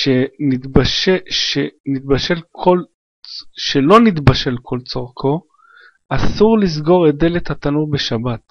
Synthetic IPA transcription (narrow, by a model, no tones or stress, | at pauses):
ʃenitbaʃʃenit̚baʃe̞lkʰol | ʃe̞lo̞nit̪baʃe̞lkʰo̞lt͡soʁkʰo̞ | asuʁlis̬ɡo̞ʁede̞lethat̪anuʁbe̞ʃabat